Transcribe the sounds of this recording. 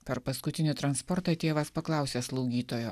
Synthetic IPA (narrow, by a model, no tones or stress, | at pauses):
pʲɛɾpɐskʊt̪ʲɪnʲɪt̪ɾɐnspɔɾt̪ɑːt̪ʲeːʋɐspɐklˠɑˑʊsʲeːslˠɐʊɡʲiːt̪oːjoː